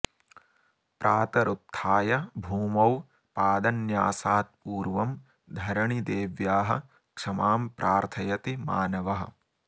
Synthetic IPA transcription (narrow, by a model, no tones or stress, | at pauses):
pɾʔaːt̪ɐɾut̪ʰːaːjɐbʱuːmɐw | paːd̪ɐnjaːsaːt̪̚puːɾʋɐm | d̪ʱɐɾɐɳid̪eːʋjaːɦɐ̰̆ | kʂɐmaːmpɾʔaːɾt̪ʰɐjɐt̪ima̰ːnɐʋɐɦɐ̰̆